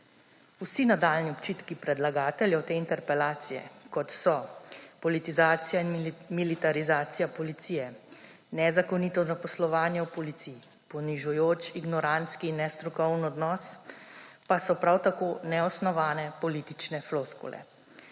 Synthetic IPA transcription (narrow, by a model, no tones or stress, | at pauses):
usinad̪aːlniɔpt͡ʃit̪kipɾɛd̪laɡaːt̪ɛljɛwt̪eːint̪ɛɾpɛlaːt̪sijɛ̰kɔt̪sɔpɔlit̪izaːt̪sijainmilit̪aɾizaːt̪sijapɔlit̪siːjɛ | nɛzakɔniːt̪ɔzapɔslɔʋaːnjɛwpɔlit̪siː | pɔniʒujoːt͡ʃiɡnɔɾant̪skiːnːɛst̪ɾukɔwnɔd̪nɔs | pasɔpɾawt̪akoːnɛɔsnɔʋaːnɛpɔliːt̪it͡ʃnɛfloskṵlɛ̰